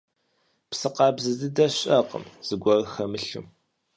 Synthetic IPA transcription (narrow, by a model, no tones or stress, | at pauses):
psɨqɑːbzɨzɨdɐɕʼɐqə̰mz̥ɨɡʷɔrxɐmɨɬɨ̰m